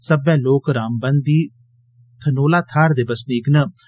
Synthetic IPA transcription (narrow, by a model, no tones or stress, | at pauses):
səbɛːloːkɾaːmbənd̪iː | t̪ʰənoːlaːt̪ʰaːɾd̪ebəsniːknə